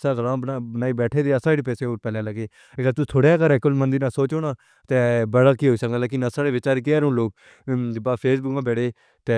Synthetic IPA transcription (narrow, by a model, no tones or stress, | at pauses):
saːɡəlãːbanaːiːbɛːʈʰeːd̪eːəsaːiɖipɛːseːoːpɛːlẽːlaɡeː | ekat̪ʊt̪ʰoːɽeaːkəɾɛːkʊlmənd̪iːnaːsoːt͡ʃoːnaː | t̪eːbəɽaːkiːɦoːisəkənd̪aːlaːk̬ɪnãːsaːɽeːʋɪt͡ʃaːɾekɪaːɾõːloːk̚ | baːpʰeːsbʊkãːbɛːɽeː | t̪eː